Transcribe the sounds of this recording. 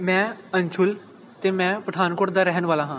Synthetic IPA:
mɛ̃ːəɲt͡ʃʰʊl | t̪eːmɛ̃ːpɾəd̪aːnkoːɾʈd̪aːɾɛɦənʋaːlaːɦãː

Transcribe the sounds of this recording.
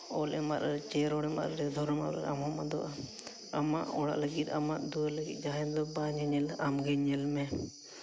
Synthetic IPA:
ɔlɛmaɾaɾɛt͡ʃɛɾɔɽɛma̰t̪ɾɛd̪ʱɔɾɔmaɾa̰ɾamɔmad̪ɔ̰ʔa | amaʔɔɽa̰ʔləɡit̪amaʔd̪ualəɡit̪̚d͡ʒaɦɛnd̪ɔbaɲɛɲɛlamɡɛɲɛlmɛ

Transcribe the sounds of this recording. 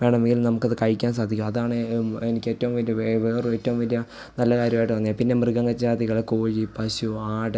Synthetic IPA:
ʋeːɳɐmeŋɡilnɐmukːɐðɨkɐɻikʲːaːns̬aːd̪ʱikʲːumɐðaːɳɨenikʲːe̞ːtːɐʋumʋɐlijɐʋeʋeːrɨeːtːɐʋumʋɐlijɐ | nɐlːɐkaːɾjɐmaːjʈːɨʋɐnːjapinːe̞mrɨɣɐŋɡɐt͡ɕːaːd̪ʱiɣɐɭkoːɻipɐɕuaːɽɨ

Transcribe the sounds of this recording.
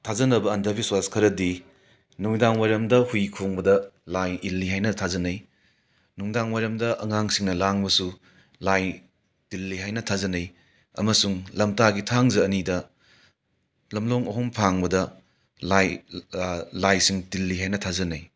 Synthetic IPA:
tʰazɐnɐbɐːndɐbiswaskʰɐɾɐdi | nuŋdaŋwajɾɐmdɐhujkʰoŋbɐdɐlajilːiɦajnɐtʰazɐnɐj | nuŋdaŋwajɾɐmdɐʔɐŋaŋsiŋnɐlaŋbɐsu | laj | tilːiɦajnɐtʰazɐnɐj | ɐ̰mɐsuŋlɐmtaɡitʰaŋzɐːnidɐ | lɐmloŋɐɦɔmpʰaŋbɐdɐ | laj | lajsiŋtilːiɦajnɐtʰazɐnɐj

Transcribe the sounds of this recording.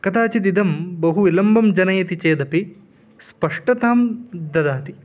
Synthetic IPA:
kɐt̪aːt͡ʃid̪id̪ɐmbɐɦuʋilɐmbɐmd͡ʒɐnɐjɐt̪it͡ʃeːd̪ɐpi | spɐʂʈɐt̪aːmd̪ɐd̪aːt̪i

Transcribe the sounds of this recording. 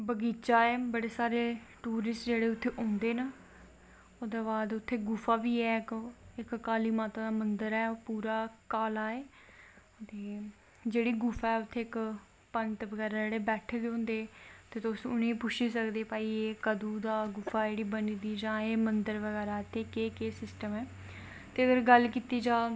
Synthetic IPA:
bəɡiːt͡ʃaːɛːbəɽeːsaːɾeːʈuːɾɪsʈd͡ʒeːɽeːʊt̪ʰːeːʔõːnd̪eːnə | oːd̪eːbaːd̪ʊt̪ʰːeːɡʊfʰaːʋiːɛːkɪkːaːliːmaːt̪ãːd̪aːmənd̪əɾɛːpuːɾaːkaːlaːeː | t̪eː | d͡ʒeːɽiːɡʊfʰaːɛːʊt̪ʰːeːɪk | pənt̪ʋəɡɛːɾaːd͡ʒeːɽeːbɛːʈʰeːd̪eɦõːnd̪eːt̪eːt̪osʊnẽːiːpʊʃiːsəkd̪eːpaːiːeːkəd̪uːd̪aːɡʊfʰaːd͡ʒeːɽiːbəniːd̪iːd͡ʒãːeːmənd̪əɾʋəɡɛːɾaːɪt̪ʰːeːkeːkeːsɪsʈəmɛː | t̪eːəɡəɾɡəlkiːt̪iːd͡ʒãː

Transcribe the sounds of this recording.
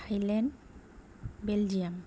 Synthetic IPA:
ajlɛn | beld͡ʒiam

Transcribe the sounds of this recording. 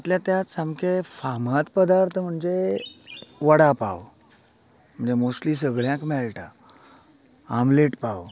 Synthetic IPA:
at̪ljat̪jasamkefamat̪pəd̪aɾt̪ʰəm̤əɳd͡ze | ʋəɽapa̰ʋ | m̤əɳd͡zemosʈliːs̬əɡɭjãkmɛlʈa | amleʈpaʋ

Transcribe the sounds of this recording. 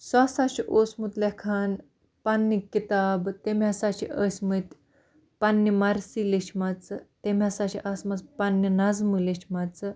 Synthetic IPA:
sasaɕiʔosmut̪lekʰan | panːikit̪aːbt̪emʲjasaɕiʔɐsmət̪ | panːimaɾsiliɕmat͡st̪emʲjasaɕiʔasmɐt͡spanːinazmɨleʃmat͡s

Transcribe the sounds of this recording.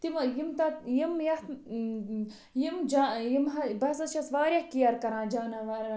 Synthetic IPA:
t̪imɐjimt̪ajimjɐ | jimd͡ʒajimɦɐbɐsɐʃɐsʋaːɾjɐhkijɐɾkɐɾãːd͡ʒaːnãːʋaːɾ

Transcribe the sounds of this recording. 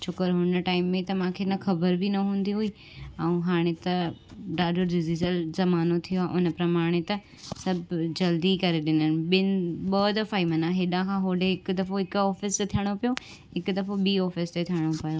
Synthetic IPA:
t͡ʃʰʊkəɾɦʊnəʈaːɪmːẽt̪ɐmãːkʰenəxɐbəɾbinɐɦũːn̆d̪iɦuiː | ɛ̃ũɦaːɽ̃et̪ɐɖaːɖoɾɖɪzizəlzɐmaːnot̪ʰijoaʔʊnəpɾɐmaːɽ̃et̪ɐ | sɐbʱd͡ʑɐld̪ikɐɾeɗɪnənɪ̆ɓɪnɓɔːd̪ɐfaːimɐnãɦeɗãkʰãːɦoːɖeɦɪkd̪ɐfoɦɪkɔːfɪst̪et̪ʰijəɽ̃opijo | ɦɪkd̪ɐfoɓiːɔːfɪst̪et̪ʰijəɽ̃opɐjo

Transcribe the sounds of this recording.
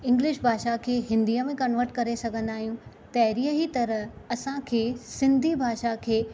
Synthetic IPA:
ɪ̃ŋɡlɪʃbʱaːʃakʰeːɦɪ̃nd̪ijəmẽkɐnʋəɾʈkɐɾesɐɡʱə̃nd̪aːɦijũ | t̪ɐɦɾiːəɦit̪ɐɾəɦɐsãkʰeːsɪ̃nd̪ʱibʱaːʃakʰeː

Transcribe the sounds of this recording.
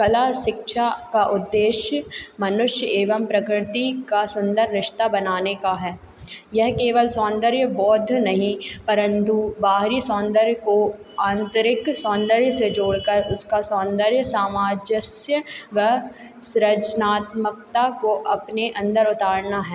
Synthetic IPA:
kɐlaʃɪkʃakaʔʊd̪ːeːʃjmɐnʊʃjəeːʋəmpɾɐkɾɪt̪ikasʊ̃nd̪əɾːɪʃt̪abɐnaːnekaɦɛː | jɛɦkeːʋəlsɔ̃ːnd̪əɾjəbɔːd̪ʱnɐɦĩpɐɾə̃nt̪ubaːɦɾisɔ̃ːnd̪əɾjəkoãːnt̪əɾɪksɔ̃ːnd̪əɾjəsed͡ʒoːɽkəɾʊskasɔ̃ːnd̪əɾjəsaːmaːd͡ʒəsjəʋə | sɾəd͡ʒnaːt̪məkt̪akoʔɐpneʔɐ̃nd̪əɾʊt̪aːɾnaɦɛː

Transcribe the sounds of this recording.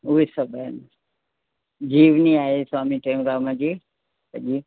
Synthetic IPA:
uisəbən | d͡ʒiːʋniaːesaːmiʈeːmɾamãd͡ʒi | pəd͡ʒi

